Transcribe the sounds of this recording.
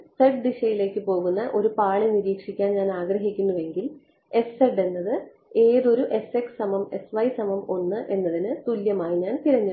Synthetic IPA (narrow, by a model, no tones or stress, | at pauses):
seɖɖiɕɐjile̞ːkːɨpo̞ːɣunːɐʔo̞ɾupaːɭeniɾiːkʂikʲːaːnɲaːnaːɡrɐɦikʲːunːuʋe̞ŋɡil | e̞seɖe̞nːɐðɨ | e̞ːðo̞ɾuʔe̞sekssɐmɐme̞sʋɐjsɐmɐmo̞nːɨʔe̞nːɐðinɨt̪uljɐmaːjiɲaːnt̪iɾɐɲːu